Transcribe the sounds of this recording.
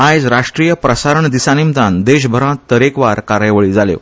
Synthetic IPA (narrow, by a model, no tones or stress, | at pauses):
ajd͡zɾaʂʈɾijəpɾəsaɾəɳd̪isanimt̪ãnd̪eɕ̬bʱəɾãt̪əɾekʋaɾkaɾjʋəɭiːd͡zaljḛ